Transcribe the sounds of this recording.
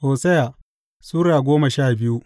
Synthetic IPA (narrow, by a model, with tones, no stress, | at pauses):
hoː˨sɐ˦ja˨ | suː˦ɾaː˨ɡʷoː˦mɐ˨ʃaː˦˨bɪ˦ju˦